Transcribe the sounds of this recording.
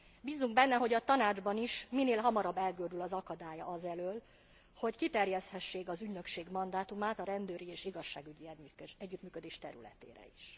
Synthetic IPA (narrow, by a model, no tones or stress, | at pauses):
biːzːuŋɡbɛnːɛɦo̞ɟɒt̪ɒnaːd͡ʒbɒniʃmineːlɦɒmɒɾɒbːɛlɡøːd̪ylɒzɒkɒd̪aːjɒɒzɛløːl | ho̞ckit̪ɛrjɛst̪hɛʃːeːkɒzyɟnø̞kʃeːɡmɒnd̪aːt̪umaːt̪ɒɾɛnd̪øːɾieːʃiɡɒʃːaːɡyɟiɛɟːyt̪myːkø̞d̪eːʃt̪ɛ̰ɾy̰lɛ̰t̪ḛːɾɛ̰iʃ